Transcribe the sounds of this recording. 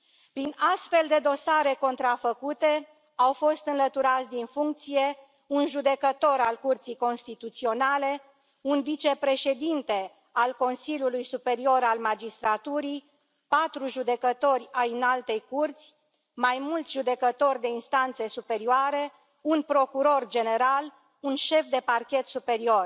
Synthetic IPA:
pɾinast̪fe̞ld̪e̞d̪o̞saɾe̞ko̞nt̪ɾafəkut̪e̞ | awfo̞st̪ɨnlət̪uɾat̪sʲd̪infuŋk̚t̪sije̞ | unʒud̪e̞kət̪o̞ɾalkurt̪sijko̞nst̪it̪ut̪sio̞nale̞ | unvit͡ʃe̞pɾe̞ʃe̞d̪int̪e̞ | alko̞nsiljulujsupe̞ɾio̞ɾalmad͡ʒist̪ɾat̪uɾi | pat̪ɾuʒud̪e̞kət̪o̞rʲajɨnalt̪e̞jkurt̪sʲ | majmult̪sʲʒud̪e̞kət̪o̞rʲd̪e̞inst̪ant̪se̞supe̞ɾioaɾe̞ | unpɾo̞kuɾo̞rd͡ʒe̞ne̞ɾal | unʃe̞fd̪e̞parkʲe̞t̪supe̞ɾio̞r

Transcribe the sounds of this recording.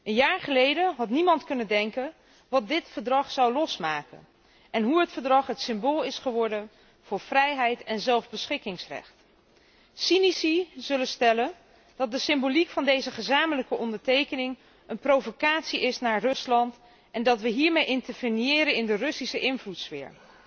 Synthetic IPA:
ʔənjaːɹχəlejdənɦɑtnimɑntkɵnəndɛŋkən | ʋɑt̚dɪtfəɹdrɑχsawlɔsmaːkə̰n | ʔɛnɦuɦətfəɹdrɑχɦətsɪmboːlˠɪsχəʋɔɹdən | v̥ʊːɹvrɛjɦɛjtɛnzɛlˠvbəsχɪkɪŋsrɛ̰χt | sinisiz̥ɵlənstɛlən | d̥ɑt̚dəsɪmbolikfɑndejzəχəzaːmələkəʔɔndəɹtejkənɪŋ | ənprowvokaːtsiɪsnaːɹrɵslɑnt | ʔɛndɑtʋəɦiːɹmejɪntəɹvənjɪːɾənɪndərɵsisəʔɪnvlutsfɪ̰ːɹ

